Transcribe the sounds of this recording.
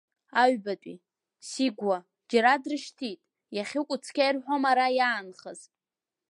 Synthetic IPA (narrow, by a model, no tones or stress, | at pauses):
aɥbatʼḭ | siɡʷa | d͡ʒaɾadrɨʃtʰitʼ | jaχʲɪkʷʼʊt͡sʰkʲajrħʷomaɾajaːnχəz̥